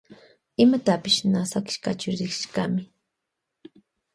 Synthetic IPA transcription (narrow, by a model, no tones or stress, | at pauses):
ɪmat̪apɪʃnasakɪ̥ʃka̰t͡ʃʊɾɪkʃkamɪ